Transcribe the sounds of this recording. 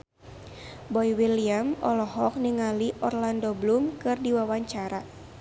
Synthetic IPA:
bɔjwiliamɔ̰lɔɦɔk̚niŋaliʔɔrlandoblumkɨrdiwawaɲt͡ʃaɾa

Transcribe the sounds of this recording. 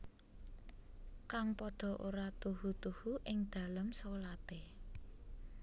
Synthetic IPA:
kaŋpɔd̪̥ɔ̤ʔoɾat̪uhut̪uhuʔɪŋd̪̥a̤ləmsolat̪e

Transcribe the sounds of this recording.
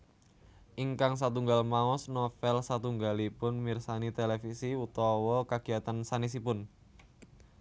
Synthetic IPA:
ʔiŋkaŋs̬at̪uŋɡalmaɔsnɔfɛlsat̪uŋɡalipʊnmirsanit̪elefisiut̪ɔwɔkaɡ̥i̤at̪ansanis̬ipʊn

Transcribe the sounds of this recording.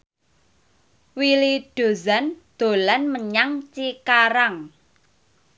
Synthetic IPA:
wiliɖ̥o̤zand̪̥o̤lanməɲaŋt͡ʃikaɾaŋ

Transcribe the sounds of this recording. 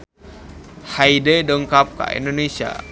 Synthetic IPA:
haidedɔŋkap̚ka̰ḭndonesia̰

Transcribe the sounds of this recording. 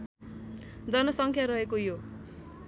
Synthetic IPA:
d͡zʌnʌsʌŋkʰjaɾʌɦekojo

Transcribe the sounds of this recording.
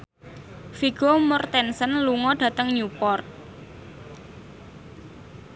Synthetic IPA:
fiɡ̥omɔrt̪ɛnsənluŋɔɖ̥ä̤t̪əŋɲupɔrt̪̚

